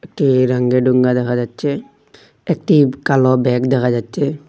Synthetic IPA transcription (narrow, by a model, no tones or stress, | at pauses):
ek̚ʈiɾɐŋɡeɖuŋɡad̪əkad͡ʒatːt͡ʃːe | ek̚ʈikalɔbɛːkd̪əkad͡ʒat͡ʃːe